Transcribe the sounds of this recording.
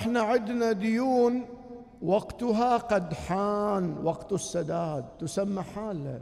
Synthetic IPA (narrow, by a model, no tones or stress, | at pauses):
ʔɪħnaʕɪd̪nad̪ʊjuːn | waɡt̪ʊɦaqad̪ħaːnwɑɡt̪ʊsːad̪aːd̪̚ːʊsamːaħaːlːa